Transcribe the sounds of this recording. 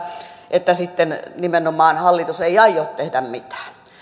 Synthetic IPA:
ʔet̪ːæsit̪ːennimenomɑːnhɑlːit̪useiɑijot̪t̪ehdæmmit̪æ̥ː

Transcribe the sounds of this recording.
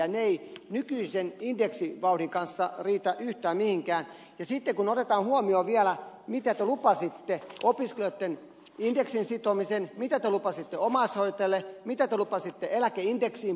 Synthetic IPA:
ɑneinykyisenindeksiʋɑuɾiŋkɑnsːɑriːt̪æʔyht̪æːmmihiŋkæːn | jɑsit̪ːekunot̪et̪ɑːnhuomioːʋiælæ | mit̪æt̪ølupɑsit̪ːeopiskelot̪ːen | indeksinsit̪omisenmit̪æt̪ølupɑsit̪ːeomɑshoit̪elːemit̪æt̪ølupɑsit̪ːeelækeindeksiːm

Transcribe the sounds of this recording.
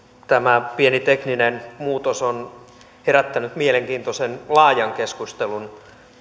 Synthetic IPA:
t̪æmæpienit̪ekninenmuːt̪oson | heɾæt̪ːænyt̪mieleŋkiːnt̪osenlɑːjɑŋkeskust̪elun

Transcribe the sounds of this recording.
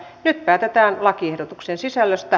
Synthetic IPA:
nyt̪pæːt̪et̪æːnlɑkiehdot̪uksensisælːøst̪æ

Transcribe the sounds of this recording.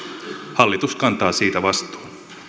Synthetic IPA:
hɑlːit̪uskɑnt̪ɑːsiːt̪æʋɑst̪u̥ː

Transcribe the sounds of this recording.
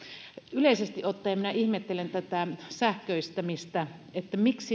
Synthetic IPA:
yleisest̪iʔʔot̪ːɑjɑminæihmet̪ːelent̪æt̪æsæhkøist̪æmist̪æet̪ːæmiksi

